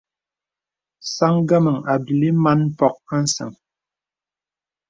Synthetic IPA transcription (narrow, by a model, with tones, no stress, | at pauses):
sa˦ŋɡə˦mə˨ŋa˨bi˨li˦ma˦n̩˦pɔ˨k̚a˦n̩˦sə̰˨ŋ